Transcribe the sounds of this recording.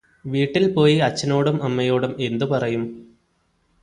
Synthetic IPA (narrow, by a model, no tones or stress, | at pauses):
ʋiːʈːilpo̞ːjiɐt͡ɕːɐno̞ːɽumɐmːɐjo̞ːɽume̞nd̪upɐrɐjum